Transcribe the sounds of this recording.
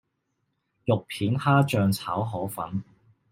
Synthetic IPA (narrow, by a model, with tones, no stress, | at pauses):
jʊ˨k̚pʰiː˨˥nhaː˥t͡ʃœː˨˧ŋt͡sʰaː˨˥wɦɔː˨˥fɐ̰˨˥n